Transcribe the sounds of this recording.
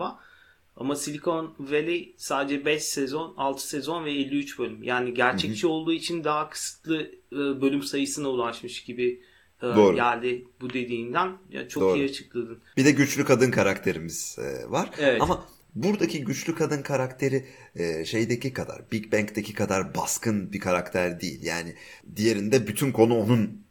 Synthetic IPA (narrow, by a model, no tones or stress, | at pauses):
a | a̰masilʲikʰonvelʲejsaːd̪ed͡ʒɛbɛʃsɛzo̞nalˠt̪ʰɯ̥sɛzo̞nvɛelʲːiyt͡ʃbølʲymjʔaːniɟæɾt͡ʃʰɛct͡ʃʰio̞lˠd̪uːit͡ʃʰind̪aɦakʰɯ̥sɯ̥t̪lˠɯbø̞lʲymsajɯsɯnaulˠaʃmɯʃɟ̥ibɪ | oɾɟælʲd̪ɪbud̪e̞d̪iːnd̪æna̰t͡ʃʰooːijiat͡ʃʰɯ̥klˠad̪ɯnb̥id̪ɛɟyt͡ʃlʲykʰad̪ɯnkʰaɾakt̪ʰe̞ɾimiz̥ɛ̰vaɾ̥evɛama | buɾd̪acʰiɟyt͡ʃlʲykʰad̪ɯnkʰaɾakt̪ʰe̞ɾiɛʃe̞jd̪ecikʰad̪a̰ɾbilʲcbæɲct̪ʰecʰikʰad̪aɾbaskʰɯnbikʰaɾakt̪ʰæɾd̪iḭlʲjaːnɪ | d̪ije̞ɾind̪ɛbyt̪ʰynkʰo̞nuonun